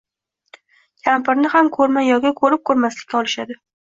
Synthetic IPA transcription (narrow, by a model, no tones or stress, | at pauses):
kʲʰampɪɾnɪhamkʰɵɾmajɒɡʲakʰɵɾɪp̚kʰɵɾmaslɪ̥kʲːaɒlˠɪʃad̪ɪ